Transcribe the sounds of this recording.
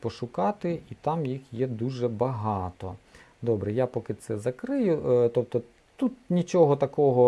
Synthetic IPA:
pɔʃʊkɑt̪ɪit̪ɑmjixjɛd̪uʒɛbɐɦɑt̪ɔ̰ | d̪ɔbɾɛjapɔkɪt̪sɛzɐkɾɪjʊt̪ɔp̚t̪ɔ | t̪ut̪̚nʲit͡ʃɔɦɔt̪ɐkɔɦɔ

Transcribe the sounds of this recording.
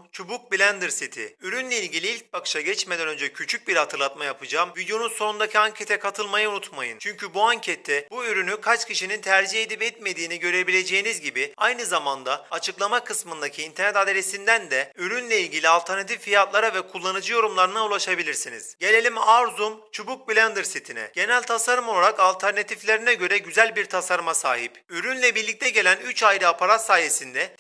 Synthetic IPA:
t͡ʃʰubuk̚bilʲænd̪ɯɾsit̪ʰɪ̰yɾynlʲeilʲɟʲilʲiilʲc̚bakɯ̥ʃaɟɛt͡ʃmed̪ɛnø̞nd͡ʒɛcʰyt͡ʃʰyc̚biɾhat̪ʰɯɾlˠat̪majapɯd͡ʒaːmvid̪jo̞nunso̞nund̪acʰiaɲcʰet̪ʰɛkʰat̪ʰɯlˠmajaunut̪majɯ̰nt͡ʃʰyɲcʰybuaɲcʰɛt̪ʰːɛbuyɾynykʰat͡ʃcʰiʃinint̪ʰæɾd͡ʒihed̪ipɛt̪me̞d̪iːniɟø̞ɾe̞bilʲe̞d͡ʒe̞jinizɟibiajnɯzamand̪aːt͡ʃʰɯklˠamakʰɯsmɯnd̪acʰiːnt̪ʰɛɾnɛt̪ad̪eɾesind̪ænd̪ɛøɾynlʲɛilʲɟilʲialʲt̪ʰɛɾnat̪ʰiffijat̪lˠaɾavɛkʰulˠːanɯd͡ʒɯjo̞ɾumlˠaɾɯnaulˠaʃabilʲiɾsinḭz̥ɟe̞lʲe̞lʲimaɾzumt͡ʃʰubuk̚blʲænd̪ɯɾsit̪ʰinɛ̰ɟ̥e̞nælʲt̪ʰasaɾɯmolˠaɾakalʲt̪ʰæɾnat̪ʰiflʲeɾinɛɟø̞ɾɛɟyzælʲbiɾt̪ʰasaɾmasa̰ːɦipyɾynlʲɛbiɾlʲic̚t̪ʰɛɟe̞lʲænyt͡ʃajɾɯapʰaɾat̪saːje̞sind̪ɛ

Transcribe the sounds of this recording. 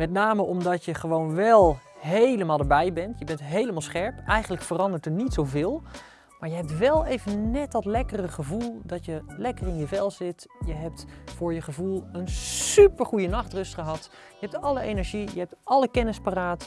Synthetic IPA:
mɛtnaːməʔɔmdɑtjəχəʋownʋɛlˠɦejləmaːlˠdəɹbɛjbɛntjəbɛntɦejləmaːlˠsχɛɹpʔɛjχənləkfərɑndəɹtəɹnitsowvɪːlˠ | maːɹjəɦɛp̚tʋɛlˠejvənnɛtdɑtlɛkərəχəvulˠdɑtjəlɛkərɪnjəvɛlˠzɪtjəɦɛp̚tfʊːɹjəχəvulˠənsypəɹχujənɑχtrɵstχəɦɑt | jəɦɛp̚tɑləejnɛɹʒijəɦɛp̚tʔɑləkɛnɪsparaːt

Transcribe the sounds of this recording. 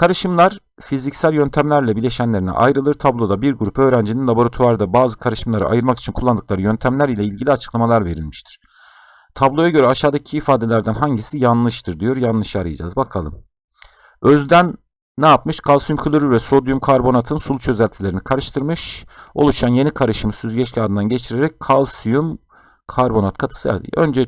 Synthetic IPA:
kʰaɾɯʃɯmlˠaɾ̥ | fizicsælʲjønt̪ʰæmlʲæɾlʲɛbilʲe̞ʃænlʲeɾinḭʔa̰jɾɯlˠɯɾt̪ʰablˠo̞d̪abiɾɡuɾupø̞ːɾænd͡ʒininlˠabo̞ɾat̪ʰuaɾd̪abaːzɯkʰaɾɯʃɯmlˠaɾɯ̰ʔa̰jɯɾmaki̥t͡ʃʰinkʰulˠːand̪ɯklˠaɾɯjø̞nt̪ʰæmlʲæɾilʲɛilʲɟilʲiat͡ʃʰɯ̥klˠamalˠaɾve̞ɾilʲmiʃt̪ʰi̥ɾ̥ | t̪ʰablˠo̞jaɟø̞ɾɛaʃaːd̪acʰiːfaːd̪elʲæɾd̪ænɦaɲɟisijanlˠɯʃt̪ʰɯɾd̪ijo̞ɾjanlˠɯʃjaɾɯjad͡ʒa̰ːzbakʰalˠɯ̰m | øzyd̪ænː | ɛjapmɯʃkʰalˠsujumkʰylʲyɾyvɛso̞d̪jumkʰaɾbo̞nat̪ʰɯnsulut͡ʃʰø̞zælʲt̪ʰilʲe̞ɾinikʰaɾɯʃt̪ʰɯɾmɯʃo̞̰lˠuʃanje̞nikʰaɾɯʃɯmɯsyzɟɛt͡ʃcʰʲiad̪ɯnd̪anɟe̞t͡ʃʰiɾeɾɛc̚kʰalˠsujum | kʰaɾbo̞nat̪̚kʰat̪ʰɯ̥sɯa̰ø̰nd͡ʒɛ

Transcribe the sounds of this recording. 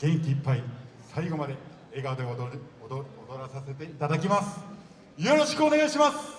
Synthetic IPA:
ɡ̥ẽ̞ŋkʲiːpːai | saiɡo̞mad̪e̞ | eːɡad̪e | od̪o̞ɾasase̞t̪e̞it̪ad̪ak̬ʲimasɨ̥ | jo̞ɾo̞ɕi̥kɯo̞ne̞ɡaiɕimasɨ̥

